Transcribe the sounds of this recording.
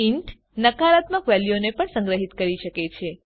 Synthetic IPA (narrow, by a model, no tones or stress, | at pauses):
iɳʈ | nəkaɾat̪məkʋɛljonepəɳsə̃ŋɡɾəɦit̪kəɾiʃəket͡ʃʰe